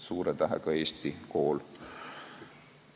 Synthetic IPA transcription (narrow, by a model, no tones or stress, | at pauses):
suːɾet̪æɦɛ̰kɑe̞ːst̪iko̞ːl